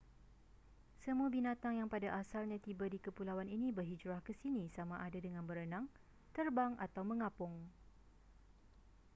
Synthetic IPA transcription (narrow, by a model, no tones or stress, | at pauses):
səmũabinãt̪aŋjaŋpadaʔasalɲãt̪ibadikəpulawaninibərɦid͡ʒɾahkəsinisamaʔadadəŋãnbəɾənãŋ | t̪ərbaŋʔa̰t̪awmə̃ŋãpʊŋ